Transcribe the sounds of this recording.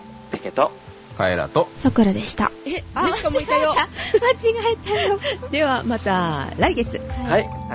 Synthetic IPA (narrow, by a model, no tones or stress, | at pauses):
peket̪o | ka̰ḛɾa̰t̪osokɯ̟ɾad̪e̞ɕi̥t̪a̰eze̥komoiajomat͡ɕiɡaet̪aod̪e̞βamat̪aɾaiɡe̞t͡sɨhai